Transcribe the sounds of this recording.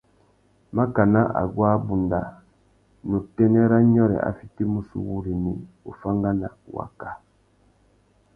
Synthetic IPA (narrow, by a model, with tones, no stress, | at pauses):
ma˦ka˨na˦ʔa̰˨ɡwaː˦bu˨nda˨ | nu˨tɛ˦nɛ˦ɾa˦ɲɔ˦ɾɛ̰˨a̰˨fi˦ti˦mu˦sṵ˦wu˦ɾi˨ni˨ | u˨fa˦ŋɡa˦na˨wa̰˨ka˨